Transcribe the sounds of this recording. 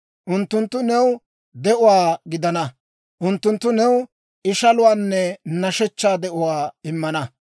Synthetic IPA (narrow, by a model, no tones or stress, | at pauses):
ʔʊnt̪ːʊnt̪ːʊnɛw | d̪ɛʔʊwaːɡɪd̪ɐnɐ | ʔʊnt̪ːʊnt̪ːʊnɛw | ɪʃɐlʊwaːnːɛnɐʃɛt͡ʃːaːd̪ɛʔʊwaːɪmːɐnɐ